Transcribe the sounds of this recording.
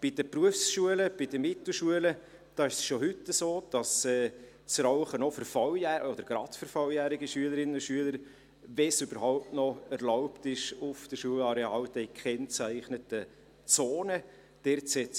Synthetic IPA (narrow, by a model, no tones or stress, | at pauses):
b̥id̥əpruəfsʃuələb̥id̥əmɪt̪l̩ʃuələ | d̥ɑːɪʃsʃoɦʏtːəsoːd̥ɑsɛː | t͡sɾɑʊχənɔfəɾfɑwjæod̥̪əɾɡ̥ɾɑtfəɾfɑwjæːɾɪɡəʃyələɾɪnənʊʃyələɾ | vɛsʉb̥əɾɦɔʊp̚tnɔæɾlɔʊptɪʃʊfd̥əʃuəlɑɾeɑːwd̥ɛkχɛnt͡sæɪχnətə | t͡soːnə | d̥ɛɾtsɛ